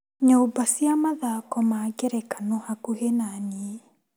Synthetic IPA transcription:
ɲoːbasiamaðakɔmaːɡeɾɛkanohakuɦenanie

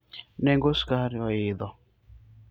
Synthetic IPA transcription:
nɛŋɡoskaɾɔɪdɔ

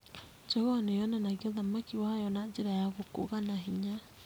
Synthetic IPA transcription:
d͡ʒɔɣanejɔnanaɣiɔðamakiwahajɔnad͡ʒeɾajaɣoko̰ɣanaɦiɲa

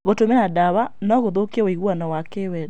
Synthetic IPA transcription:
ɣotomɛnadawanɔɣoðokɛwaiɣwanɔwakewɛd

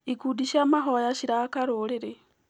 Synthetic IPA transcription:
ikudiʃaːmaɦojaʃiɾakaɾoɾeɾe

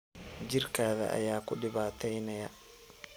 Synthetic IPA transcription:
d͡ʒirkaːða̰ʔa̰jaːkʊɗɪβaːt̪ɛjnaja

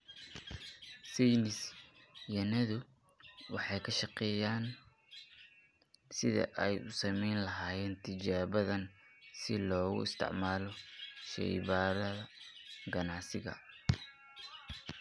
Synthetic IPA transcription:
sijnɪsjɐnɐðʊ | wɑħɑjkʰɐʃɑqɛːjaːn | sɪðɐ̰ʔɛjʔʊsɐmɛjnlɐɦaːjɛːnt̪ʰɪd͡ʒaːβɐðɐnsɪlɔːɣʊ̰ɪst̪ʰɪ̰ʕmaːlɔʃɛ̰jβaːɾɐðɐɡɐnɑʕsɪɣɐ̰

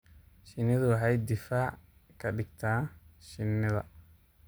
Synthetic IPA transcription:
ʃɪnːɪðʊwɑħɑjd̪ɪfaːʕ | kʰɐɖɪɡt̪ʰaːʃɪnːɪðɐ̰

